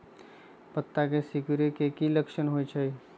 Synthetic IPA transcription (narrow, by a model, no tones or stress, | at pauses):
pət̪ːakesikɾekekiləkʃənɦojt͡ʃʰəj